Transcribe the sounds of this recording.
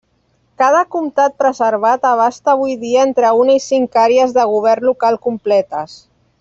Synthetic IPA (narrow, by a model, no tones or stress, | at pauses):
kað̞əkumt̪at̪̚pɾəzəɾβ̞at̪əβ̞ast̪aːβ̞ujðiaent̪ɾəunaisiŋkaɾeəzðəɣ̞uβ̞ɛrnlukalˠkumplɛt̪əs